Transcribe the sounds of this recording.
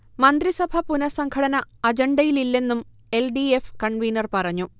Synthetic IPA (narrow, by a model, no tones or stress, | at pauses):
mɐnd̪risɐbʱɐpunɐsɐŋkʰɐɽɐnɐɐd͡ʑɐɳɖɐjililːe̞nːum | e̞lɖiefkɐɳʋijnɐrpɐrɐɲːu